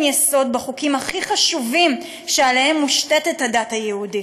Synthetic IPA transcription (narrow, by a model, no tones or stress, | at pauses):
jeso̞d̪beχukimhaχiχaʃuvim | ʃealehemːuʃtetethadathajehudi